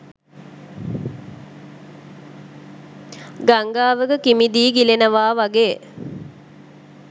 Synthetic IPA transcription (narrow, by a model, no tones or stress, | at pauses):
ɡaŋɡaːʋəɡəkimid̪iːɡilenəʋaːʋaɡeː